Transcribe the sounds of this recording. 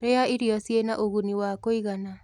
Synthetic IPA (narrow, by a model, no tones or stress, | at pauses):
ɾejaiɾiɔsjenaʔoɣuniwakoiɣana